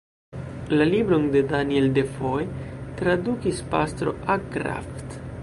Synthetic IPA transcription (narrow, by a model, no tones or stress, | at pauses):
lalibɾonde̞danie̞lde̞foetɾadukispa̰st̪ɾo̞̰akɾa̰ft